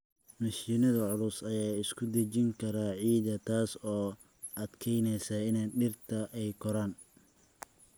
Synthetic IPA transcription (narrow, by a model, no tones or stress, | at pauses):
mɐʃiːnɐðɐʕʊlʊsɐjaːɪskʰʊd̪ɐt͡ʃɪŋkʰɐɾaːʕiːðɐt̪ʰaːsɔː | ɐd̪kʰɛjnɛjsɐɪnɛjɖɪrt̪ʰɐʔɛjkʰɔɾaːn